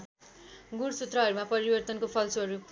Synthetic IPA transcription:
ɡuɽsut̪rʌɦʌɾumapʌɾibʌrt̪ʌnkopʰʌlsoɦʌɾu

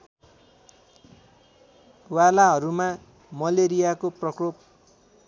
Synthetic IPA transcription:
walaɦʌɾuma | mʌleɾijakoprʌkrop

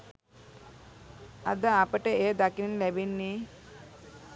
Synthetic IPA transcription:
a̰d̪əapəʈəejəd̪akinlæbinːiː

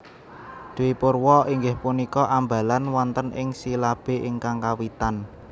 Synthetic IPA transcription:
d̪̥ewipʊrwɔʔiŋɡɪhpunikɔʔamba̤lanwɔnt̪ənɪ̰ŋsilab̥e̤ʔɪŋkaŋkawit̪an

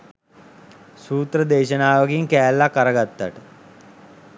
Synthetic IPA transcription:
suːt̪rəd̪eːʃənaːʋəɡiŋkæːlːakaɾəɡat̪ːa̰ʈə

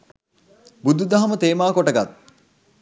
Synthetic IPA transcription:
bud̪ud̪aɦɐmət̪eːmaːkoʈəɡat̪̚

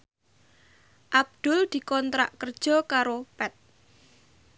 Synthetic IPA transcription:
ʔab̚d̪̥ʊld̪̥i̤kɔnt̪ɾa̰ʔkərd̥ʒ̥ɔ̤kaɾopɛt̪̚

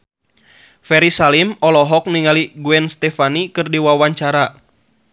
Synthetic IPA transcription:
fɛɾisalimɔlɔɦɔk̚niŋaliɡuɛnst̪ɛfanikɨrdiwawaɲt͡ʃaɾa

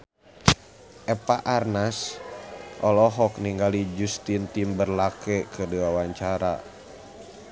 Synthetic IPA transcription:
ʔɛpaʔarnas | ʔɔlɔɦɔk̚niŋɡalid͡ʒust̪int̪imbərlakɛkʰədɛwawaɲt͡ʃaɾa̰

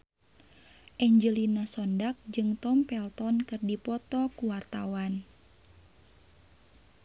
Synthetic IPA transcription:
ʔɛɲd͡ʒəlinasɔndak̚d͡ʒɨŋt̪ɔmpɛlt̪ɔnkɨrdipɔt̪ɔkuwart̪awan

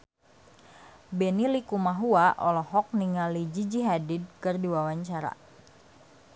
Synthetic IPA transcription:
bɛnilikumaɦuaʔɔlɔɦɔk̚niŋalid͡ʒid͡ʒiɦadid̚kɨrdiwawaɲt͡ʃaɾa̰

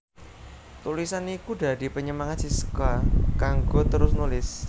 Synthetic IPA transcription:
t̪ulisanikuɖa̤di̤pəɲəmaŋat̪̚sisə̥kwakaŋɡot̪əɾʊsnulɪs

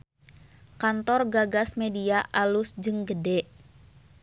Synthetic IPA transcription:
kant̪ɔrɡaɡasmediaʔalusd͡ʒɨŋɡədɛʔ

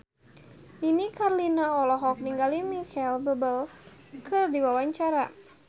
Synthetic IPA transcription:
inikarlinaɔlɔɦɔk̚niŋɡalimikɛlbəbəlkʰɨrdiwawaɲt͡ʃaɾa

